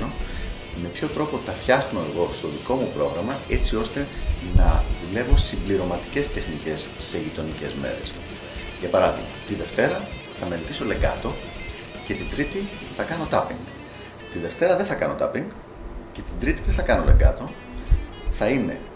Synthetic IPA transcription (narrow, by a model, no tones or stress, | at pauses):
no̞ | me̞pço̞t̪ɾo̞po̞t̪ɐfçɐxno̞e̞ɣo̞st̪o̞ðiko̞mupɾo̞ɣɾɐmɐe̞t͡sio̞st̪e̞nɐðule̞vo̞simbliɾo̞mɐt̪i̥ce̞st̪e̞xnice̞sːe̞ʝit̪o̞nice̞zme̞̰ɾe̞̰s | ʝɐpɐɾɐðḭɣmɐ̰t̪iðe̞ft̪e̞ɾɐ | θɐme̞let̪iso̞le̞ŋɡɐ̰t̪o̞ | ce̞t̪id̪ɾit̪i | θɐkɐno̞t̪ɐpḭŋɡ | t̪iðe̞ft̪e̞ɾɐðeθɐkɐno̞t̪ɐ̰piŋɡ | ce̞t̪ind̪ɾit̪iðeθɐkɐno̞̰le̞̰ŋɡɐ̰t̪o̞ | θɐine̞̰